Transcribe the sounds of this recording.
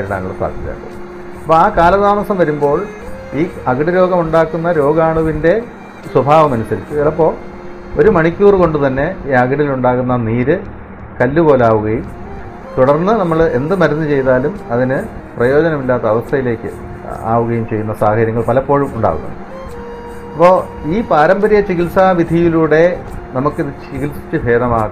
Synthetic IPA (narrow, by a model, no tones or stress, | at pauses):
ɾɽaːŋːɐɭsa̰ːd̪ʱjit͡ɕa̰ːkːɐ̰ | ɐpːoːaːkaːlɐðaːmɐsɐmʋɐɾumbo̞ːɭ | iːɐɡɐɽiɾo̞ːɡɐmuɳɖaːkːunːɐɾo̞ːɡaːɳuʋinde̞ | swɐbʱaːʋɐmɐnusɐɾit͡ɕːueðɐpːo̞ːɭ | o̞ɾumɐɳikʲːuːrko̞ɳɖut̪ɐnːe̞iːɐɡɐɽiluɳɖaːɣunːɐniːɾɨ | kɐlːupo̞ːleaːʋuɣɐjum | t̪uɽɐrnːɨnɐmːɐɭe̞nd̪ɨmɐɾunːɨt͡ɕe̞jt̪aːlumɐðinɨprɐjo̞ːd͡ʑɐnɐmilːaːt̪ːɐːʋɐst̪ʰɐjile̞ːkʲːɨ̰ | a̰ːʋuɣɐjumt͡ɕe̞jːunːɐsaːhɐɾjɐŋːɐɭpɐlɐpːo̞ːɻumuɳɖa̰ːɣṵnːɐ̰ | ɐpːo̞ː | iːpaːɾɐmbɐɾijɐt͡ɕiɣilsaʋid̪ʱijiluːɽe̞nɐmukːiðɨt͡ɕiɣilsi̥t͡ɕːɨbʱe̞ːðɐmaːɣ